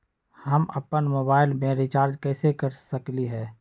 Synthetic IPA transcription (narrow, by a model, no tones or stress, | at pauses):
həmɐ̰pənmoːbaːɪlmẽɾɪt͡ʃaːɾd͡ʒkɛːsekəɾsəkliɦɛː